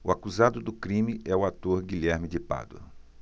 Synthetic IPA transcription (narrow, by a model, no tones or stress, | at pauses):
ʊakuzad̪ʊd̪ʊkɾĩmɪʔɛʊat̪oɾɡiʎɛɾmɪd͡ʒɪpa̰d̪ʊ̰